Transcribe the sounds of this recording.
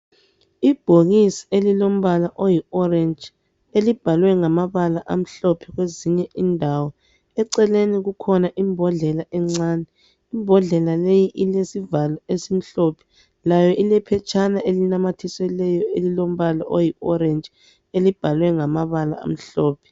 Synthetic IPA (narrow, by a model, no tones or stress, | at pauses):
ib̥ʱoɣisi̥elilom̩βalaʔojiɔrɛnd͡ʒʱ | elib̥ʱalwɛŋamaβalaʔam̩ɬɔpʰɛɣweziɲɛʔindʱawɔ | ɛǀɛleniɣukʰɔnaʔimbʱɔɮɛlaʔɛŋ͡ǀaːnɛ | imbʱɔɮɛlalejiʔilesivalaesim̩ɬɔpʰɛ̥ | lajɔʔilɛpʰɛt͡ʃʰʼanaʔelinamatʰisɛlɛjɔelilom̩βalaʔojiɔrɛnd͡ʒʱ | elib̥ʱalwɛŋamaβala̰a̰m̩ɬɔːpʰɛ̥